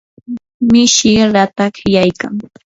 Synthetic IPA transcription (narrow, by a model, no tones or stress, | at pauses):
mɪʃɪɾat̪akɪjajka̰ŋ